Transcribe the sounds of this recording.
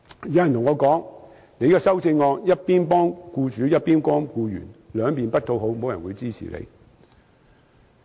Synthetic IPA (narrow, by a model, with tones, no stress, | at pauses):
jɐ˨˥jɐ˨nt̪ʊ˨˩ŋːɔː˨˧kɔː˨˥ŋ | ne˨˧jkɔː˧sɐ˥wt͡sɪ˧ŋːɔː˧k̚jɐ˥t̚piː˥npɔː˥ŋkuː˧t͡ʃyː˨˥jɐ˥t̚piː˥nkɔː˥ŋkuː˧jy̰ː˨˩nlœː˨˧ŋpiː˨npɐ˥t̚t̪ʰo˧wɦo˨˥wmo˨˧wjɐ˨˩nwuː˨˧jt͡siː˥sʰḭː˨˩lʔḛ˨˧j